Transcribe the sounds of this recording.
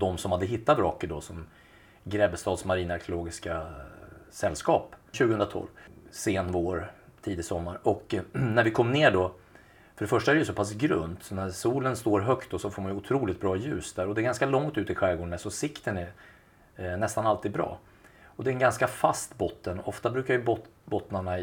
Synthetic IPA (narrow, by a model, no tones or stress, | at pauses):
d̪ɔmsɔmhad̪ːəɦɪt̪ːat̪ɾɔkːəɖɔsɔm | ɡɾɛbst̪ɑːd̪smaɾiːnaɾkʰjʊloːɡɪska | sɛlːskɑːpɕʉɡəɵnɾat̪ʰɔ̰lvseːnvoːɾt̪ʰiːd̪ɪsɔmːaɾɔknæɾvɪkʰɔmːneːɖɔ | fœɖɛfœʂʈaæɾɛjʉsɔpʰas̬ɡɾɵ̰nt̪sɔnæɾsuːlənst̪oːɾɦœkt̪̚d̪ɔsɔfoːmanjʏʊt̪ʰɾuːlɪt̪̚bɾɑːjʉ̟ːsd̪æɾɔd̪ɛɾɡanskalɔŋt̪ʉ̟ːt̪ɪɧɛːɡʊɳːɛsɔsɪkt̪ənɛ | nɛst̪analt̪iːd̪bɾɑ̰ː | ɔd̪ɛnɡanskafast̪bɔt̪ːənɔft̪abɾʉ̟ːkaɾjɵbɔ | bɔt̪naɳa